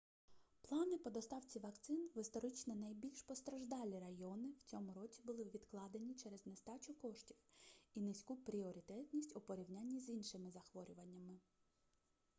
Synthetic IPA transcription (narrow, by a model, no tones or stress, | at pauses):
plˠɑnɪpɔd̪ɔst̪ɑwt͡sʲiʋɐkt̪sɪnʋɪst̪ɔɾɪt͡ʃnɛnɐjbʲilʲʃpɔst̪ɾɐʒd̪ɑlʲiɾɐjɔnɪwt͡sʲɔmʊɾɔt͡sʲibʊlˠɪʋʲid̪klˠɑd̪enʲit͡ʃɛɾɛznest̪ɑt͡ʃʊkɔʃtʲiwinɪsʲkupɾʲiɔɾʲit̪ɛt̪ʲnʲisʲtʲʊpɔɾʲiwnʲanʲːizinʃɪmɪzɐxʋɔɾʲʊʋɐnʲːɐmɪ